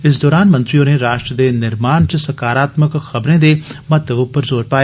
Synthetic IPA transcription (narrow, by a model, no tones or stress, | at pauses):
ɪs̬d̪ɔːɾaːnmə̃nt̪ɾijõːneːɾaːʃʈɾəd̪eːnɪɾmaːnt͡ʃəsəkaːɾaːt̪məkxəbɾẽːd̪eːmɐt̪ːəʋpəɾzoːɾpaːeː